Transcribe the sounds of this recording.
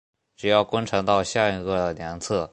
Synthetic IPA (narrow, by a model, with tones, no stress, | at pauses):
ʈ͡ʂɻ̩˨˩jɑ˥˩ʊkwa˥nʈ͡ʂʰɤ˧˥ŋt̪ɑ˥˧ʊɕja˥˩i˧˥ɡə˥˩ə˩ljɑ˧˥ŋt͡sʰɤ˥˩